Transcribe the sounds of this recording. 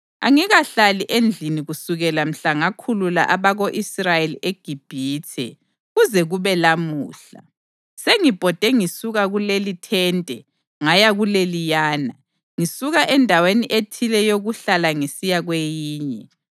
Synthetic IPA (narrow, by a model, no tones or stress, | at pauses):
a̰ŋiɣaɬaliʔend͡ɮʱiniɣusuɣɛlam̩ɬaŋakʰulula̰ʔaβaɣoʔisrajeliʔeɡ̥ʱib̥ʱiːtʰɛ̰ | ɣuzɛɣuβɛlamṵːɬa̰ | seŋib̥ʱɔd̥ʱɛŋisuɣaɣulelitʰɛntʼɛ | ŋajaɣulelijaːna | ŋisuɣaʔɛndʱaweniʔetʰilɛjoɣuɬalaŋisijaɣwejiːɲɛ